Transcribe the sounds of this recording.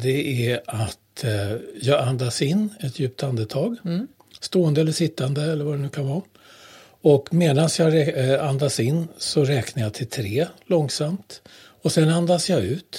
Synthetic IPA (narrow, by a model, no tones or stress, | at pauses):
d̪ɛæɾat̪ | jɑːɡand̪asɪnːɛt̪ʰjʉ̟ːp̚t̪and̪ət̪ʰɑːɡ | st̪oːənd̪əɛlːəʂɪt̪ːand̪əɛlːəɾvadɛnʉ̟ːkʰanvɑː | ɔkmeːd̪ansjɑːɡɾɛand̪asɪnːsɔɾɛːknajɑːt̪ʰɪlt̪ʰɾeːlɔŋsamt̪ | ɔsɛnand̪asjɑʉ̟ːt̪